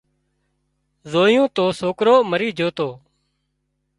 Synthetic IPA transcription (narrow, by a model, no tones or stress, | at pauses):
zoːjõːt̪oːsoːkɾoːməɾiːd͡ʒʱoːt̪oː